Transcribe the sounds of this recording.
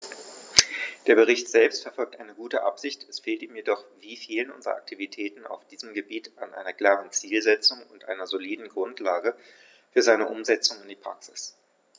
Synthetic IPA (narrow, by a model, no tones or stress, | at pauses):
d̥eːɐbəʁ̞ɪçtz̥ɛlpstfɛɐfɔlk̚tʔaɪnəɡuːtəʔa̰pz̥ɪçtɛsfeːltiːmjedɔχviːfiːlənʔʊnzəʁɐ̰ʔa̰k̚tʰivitʰɛːtn̩a̰ʊfd̥iːzəmɡəbiːtanʔa̰ɪnɐkl̥aːʁənt͡siːlzɛt͡sʊŋʊntʔa̰ɪnɐzoliːdn̩ɡʁʊntlaːɡə | fyːɐzaɪnəʔʊmzɛt͡sʊŋɪnd̥iːpʁ̥a̰ksɪs